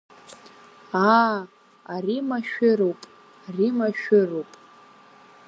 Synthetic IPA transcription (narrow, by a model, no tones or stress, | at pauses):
a | arimaʃᶣɪrowpʼ | arimaʃᶣɪrowpʼ